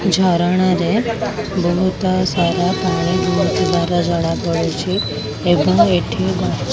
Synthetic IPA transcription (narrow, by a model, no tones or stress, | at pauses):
d͡ʒʱaɾaɽ̃ane | bəɦut̪asaɾapaɽ̃ibʱuɾut̪id̪aɾad͡ʒəɽ̃ãpəɭet͡ʃʰeː | pəɳeʈʰiɡã